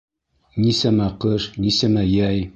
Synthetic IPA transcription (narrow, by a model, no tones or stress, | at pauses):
nʲisæmæqɤʃnʲisæmæjæj